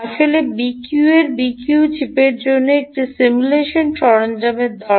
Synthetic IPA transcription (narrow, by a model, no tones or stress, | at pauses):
aʃolebikjueɾbikjut͡ɕipeɾd͡ʑonːoek̚ʈisimuleʃonʃɔɾond͡ʑameɾd̪ɔ